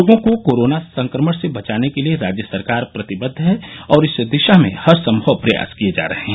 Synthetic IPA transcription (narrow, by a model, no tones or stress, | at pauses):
oːɡõkokoːɾoːnasɐ̃ŋkɾəməɽsebɐt͡ʃaːnekelieɾaːd͡ʒjəsɐɾkaːɾpɾɐt̪ɪbəd̪ʱːɦɛɔːɾɪsd̪ɪʃamḛ̃hɐɾsɐ̃mbʱəʋpɾɐja̰ːskied͡ʒa̰ːɾɐɦeɦɛ̃